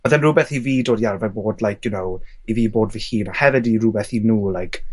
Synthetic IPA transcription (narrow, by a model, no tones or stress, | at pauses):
məðɛnrʊbɛθiviːdoːdiarvɛboːdlajkʰjʊnow | iviːboːdvihiːnahɛvɪdirʊbɛθinuːlˠajkʰ